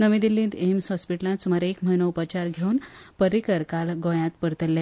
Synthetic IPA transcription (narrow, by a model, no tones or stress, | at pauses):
nəʋid̪ilːĩnd̪emsɦɔspiʈlãt̪sumaɾekm̤əinəupət͡ɕaɾɡʱeunpəɾikəɾkalɡõjãt̪pəɾt̪əlːe